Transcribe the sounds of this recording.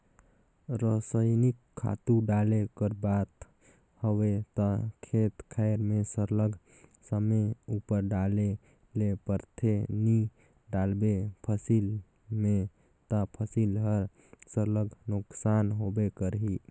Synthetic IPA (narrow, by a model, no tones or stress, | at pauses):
ɾəsəjnikʰːa̰t̪uɖalekəɾbat̪ | həwet̪əkʰet̪kʰəɪɾmesəɾləɡʱ | səmeupəɾɖale | lepəɾt̪ʰeni | ɖalbepʰəsil | me | t̪əpʰəsilɦəɾ | səɾləɡʱnuksanɦobekəɾɦi